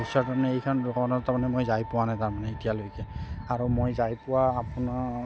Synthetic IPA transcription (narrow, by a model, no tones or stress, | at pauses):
isɔɹtaɹmanɛejkʰɔnɹɔkɔnɔtamanɛmojzajpʊwanajtaɹmanɛitijalojkɛaɹumojzajpʊwaːpuna